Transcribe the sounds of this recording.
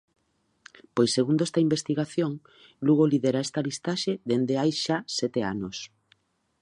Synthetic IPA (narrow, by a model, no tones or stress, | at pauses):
pojseɣund̪oest̪ɐimbest̪iɣaθjoŋ | luɣoliðeɾaest̪ɐlist̪aʃeðend̪eajʃasɛt̪ea̰nos